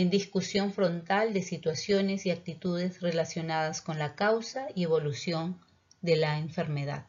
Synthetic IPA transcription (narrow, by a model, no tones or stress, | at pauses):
end̪iskusjo̞ɱfɾo̞nt̪ald̪e̞sit̪wasjo̞ne̞siak̚t̪it̪uðe̞zre̞lasjo̞naðasko̞nlakawsaie̞βo̞lusjo̞n | d̪e̞laeɱfe̞ɾme̞ða̰ð